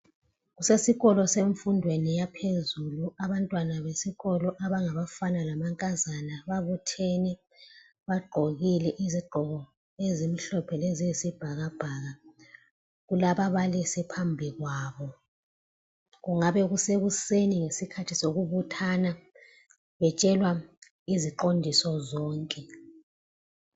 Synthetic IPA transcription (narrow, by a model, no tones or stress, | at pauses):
ɣusesiɣɔlɔseɱfundʱwenijapʰezuluaβantʼwanaβesiɣɔlɔʔaβaŋaβafanalamaŋkʼazanaβaβutʰenɛ | βaɡ͡ǃʱoɣilɛʔiziɡ͡ǃʱɔɣɔ | ezimiɬɔpʰɛleziisib̥ʱaɣab̥ʱaɣa | ɣulaβaβalisipʰambʱiɣwaːβɔ | ɣuŋaβɛɣuseɣuseniŋesikʰatʰisoɣuβutʰana | βɛt͡ʃʼɛlwa | iziǃondʱisɔzɔːŋkʼɛ